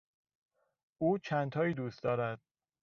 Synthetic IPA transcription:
uːt͡ʃʰænt̪ʰɒːiːd̪uːst̪d̪ɒːɾæd̪̥̚

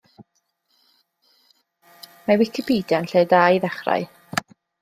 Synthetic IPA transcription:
mawɪkʰɪpʰiːdjanɬeːdajðɛχra̰ɨ

